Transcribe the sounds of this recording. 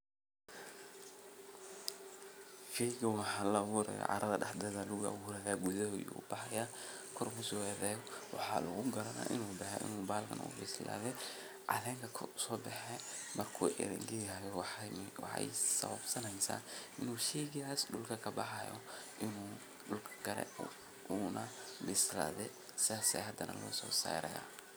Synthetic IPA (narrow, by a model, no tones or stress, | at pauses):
fɛjɡɐwɑħaːlɐwuːɾɛ̰jɔ̰ʕʔɑ̰ɾɐðɐɗɑħd̪ɐðaːluɣ̰wuːɾɛðaːɡʊðɐhɔjṵːbɑħɑjaː | kʰɔrmʊsɔɛːðɛːjɔwɑ̰ħɑːlʊɣʊɡɐɾɐna̰ːʔɪ̰nuːbɐħɛ̰ʔɪ̰nuːbaːlkʰɐ̰nɐ̰ʊ̰bɛsla̰ːðɛ | ʕɑ̰ðɛːŋkʰɐkʰsɔːbɑħɛ | mɐrkʰṵːʔɪ̰ɾɛ̰ŋɡɪɐjɛwwɑ̰ħɑ̰jsɐβɐbsɐnɛjsa̰ːɪnuːʃɛːɣɪaːsɖʊlkʰɐkʰɐbɑħɑjɔ̰ʔɪnuː | ɖʊlkʰɐ̥ɡ̥ɐɾɛ̰ | nɐbɪsla̰ːðɛ | sɪaːsɛhɐd̪ɐnʔɐ̰lɔːsɔːsa̰ːɾɐ̰ja̰ː